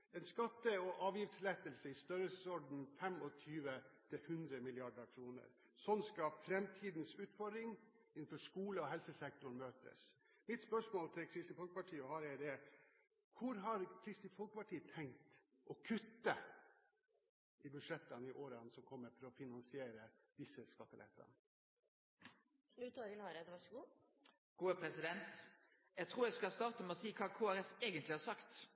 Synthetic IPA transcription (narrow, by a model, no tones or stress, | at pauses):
ɛnskɑt̪ːəɔʔɑːʋjɪft̪slɛt̪əlsəɪst̪œɾəlssɔɖn̩fɛmɔt̪ʰyːʋət̪ʰɪlhʉnd̪ɾəmɪlɪɑɖəɾkʰɾuːnə̰ɾ | sɔnskɑfɾɛmt̪ʰiːd̪n̩sʉːt̪fɔɖɪŋ | ɪnn̩fɔʂkuːləɔɦɛlsəsɛk̚t̪ʊɳmøːt̪ə̰s | mɪt̪spœʂmoːlt̪ʰɪlkʰɾɪst̪iːfɔlkəpɑʈʰiːəhɑːɾɛd̪ɛæ | kʰʊɾɦɑɾkʰɾɪst̪iːfɔlkəpɑʈʰiːət̪ʰɛŋkt̪ | ʔɔkʰʉt̪ːə | ʔɪbʉdʂɛt̪ːənɪʔoːɾɑnsɔmkʰɔmːəɾfɔɾɔfɪnɑnsɪeːɾəd̪ɪsəskɑt̪ːəlʔɛ̰t̪ʰːɑ̰n | lʉt̪ʰɑɾɪnɑɾəd̪ʋɑʂɡuː | ɡ̥uːəpʰʁɛsɪd̪ɛnt̪ | jæɡt̪ʰʁuːɾjæɪskɑlst̪ɑːʁt̪əmɛɔsiːkʰɑːkʰoːæɾɛfeːɡənt̪lɪhɑɾsɑkt̪